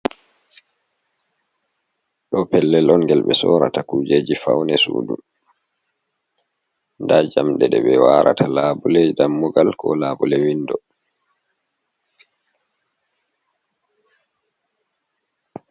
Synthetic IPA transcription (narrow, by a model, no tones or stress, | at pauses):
ɗɔpɛlːɛlɔnɡɛlɓɛsɔɾa̰takuːd͡ʒeːd͡ʒifawnɛsṵːdu | ndad͡ʒamɗɛɗɛɓɛwaɾa̰talaːbulɛɗamːuɡalkʰɔlaːbulɛwindɔ